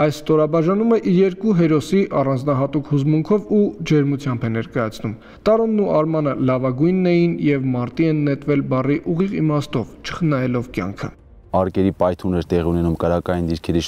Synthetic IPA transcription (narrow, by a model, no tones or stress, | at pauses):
ɑjsst̪ɔɾɑbɑʒɑnuməʔijɛɾkuɦɛɾɔsiʔɑrɑnd͡znɑɦɑt̪ukhuzmuŋkʰɔvud͡ʒɛɾmut͡sʰjɑmbɛnɛɾkɑjɑt͡sʰnum | t̪ɑɾɔnːuʔɑɾmɑnəlɑvɑɡujnːɛjinjɛvmɑɾt̪iɛnːɛt̪vɛlbɑriʔuʁiʁimɑst̪ɔvt͡ʃʰə̥χənɑjɛlɔvkjɑ̰ŋkʰə̰ | ɑɾkɛɾipɑjt̪ʰunɛɾt̪ɛʁiunɛnumkəɾɑkɑjind̪iɾkʰɛɾiʃ